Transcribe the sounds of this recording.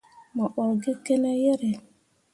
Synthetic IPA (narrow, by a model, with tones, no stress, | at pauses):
mɔ˨ɓɔ˨ɾɡe˦ke˦ne˦je˦ɾe˨